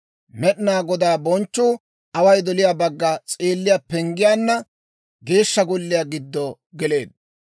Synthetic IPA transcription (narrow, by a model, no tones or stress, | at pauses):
mɛɗɪnaːɡɔd̪aːbɔnt͡ʃːuː | ʔɐwɐjd̪ɔlɪjaːbɐɡːɐt͡sʼeːlːɪjaːpɛŋɡɪjaːnːɐ | ɡe̞ːʃːɐɡɔlːɪjaɡɪd̪ːɔ | ɡɛle̞ːd̪̚